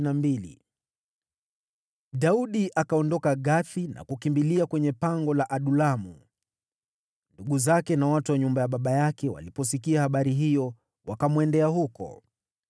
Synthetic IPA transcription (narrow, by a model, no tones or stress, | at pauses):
nambilḭ | ɗauɗiʔakaɔndɔkaɠaθina̰kukimbiliakwɛɲɛpaŋɡɔlaʔaɗulamu | nduɠuzakɛnawatuwaɲumbajaɓaɓajakɛwa̰lipɔs̬ikiahaɓaɾiɦijɔ | wakamwɛndɛahukɔ̰